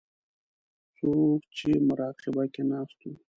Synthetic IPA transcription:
sokt͡ʃemʊɾɑːqɪbakenɑːst̪u

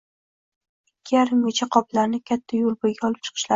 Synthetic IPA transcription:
ɪkʲʰːɪjaɾɪmɡʲet͡ʃʰaqʰɒplaɾnɪkʲʰat̪ʰːajolˠbojɡʲaɒlˠɪp̚t͡ʃʰɨ̥qʰɨ̥ʃla

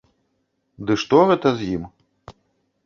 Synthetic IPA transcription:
d̪ɨʂt̪ɔɣɛt̪ɐzʲjim

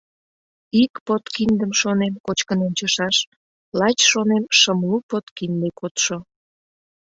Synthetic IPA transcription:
ikpot̪kind̪əmʃonemkot͡ɕkənont͡ɕəʃɑʃ | lɑt͡ɕʃonemʃəmlupot̪kind̪ekʰot̪ʃo

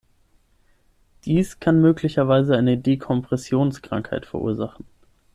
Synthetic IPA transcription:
d̥iːskʰanmøːklɪçɐvaɪzəaɪnədeːkʰɔmpʁ̥ɛsjoːnskʁ̥a̰ŋkhaɪtfɛɐʔṵːɐzaχn̩

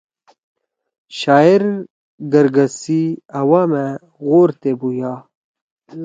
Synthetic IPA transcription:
ɕaːiɾ | ɡɐɾɡɐsiɐwame | ɣoːɾt̪ebujaː

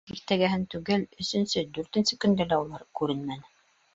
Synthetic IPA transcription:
iɾt̪æɡæɦɘnt̪ʉɡɘlɵ̆sɵ̆nsɵd̪ʉɾt̪ɘ̆nsɘkɵ̆nd̪ælæulˠɑɾkʉɾɘnmænɘ

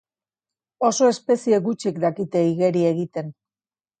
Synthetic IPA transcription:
o̞so̞e̞spe̞sie̞ɣut͡ʃikd̪akit̪e̞iɣe̞ɾie̞ɣit̪e̞n

